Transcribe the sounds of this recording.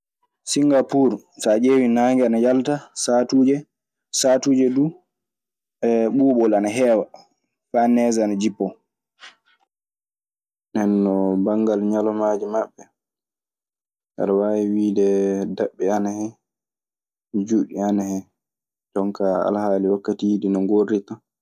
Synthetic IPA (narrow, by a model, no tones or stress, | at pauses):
siŋɡapuɾ | sad͡ʒeːwinaːŋɡɛanajaltasatuːd͡ʒɛ | satuːd͡ʒɛdu | ɛɓuːɓɔlanaɦɛːwa | fanɛːzanad͡ʒipːɔ | nɛnːɔbaŋːɡalɲalɔmaːd͡ʒimaɓːɛ | a̰ɾawawiwiːdɛdaɓːɛanahɛ | d͡ʒuɗianahɛ | d͡ʒɔŋkaa̰lhaːliwakːatijidinɔŋɡorːita